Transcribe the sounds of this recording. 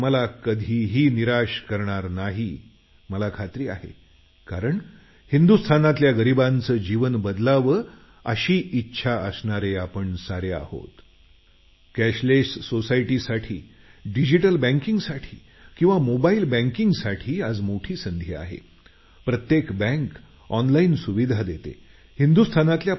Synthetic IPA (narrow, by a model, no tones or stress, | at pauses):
məlakəd̪ʱiːɦiːniɾaɕkəɾɳaɾnaɦi | məlakʰat̪ɾiːa̰ɦḛ | kaɾəɳ | hind̪ust̪ʰanat̪ljaɡəɾibant͡səːd͡ʑiʋənbəd̪laʋə | əɕiːʔitːɕʰaʔəsɳaɾeapəɳsaɾea̰ho̰t̪ | kæɕlesːosaiʈisaʈʰiː | ɖid͡ʑiʈəlbɛ̃ŋkiŋɡsaʈʰiː | kĩw̃ʋamobailbɛ̃ŋkiŋɡsaʈʰiːad͡zmoʈʰiːsənd̪ʱia̰ɦḛ | pɾət̪jekbɛ̃ŋk | ɔnlainsuʋid̪ʱad̪et̪ḛ | hind̪ust̪ʰanat̪lja